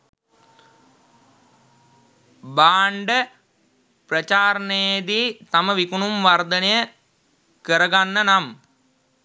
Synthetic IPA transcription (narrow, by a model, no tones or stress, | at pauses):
baːɳɖə | prɐt͡ʃaːɾɐnejjd̪iːt̪aməʋikunumʋard̪ɐnejə | kəɾɐɡanːənam